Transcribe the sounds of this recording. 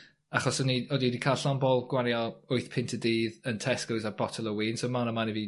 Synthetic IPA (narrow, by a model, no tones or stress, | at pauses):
aχɔsɔniɔdidikʰaːlˠɬɔmbɔlˠɡ̥wanjɔʊɨθpʰɪntʰədiːðəntʰɛskəwzabɔtʰəlˠɔwiːnsowmanəmanivi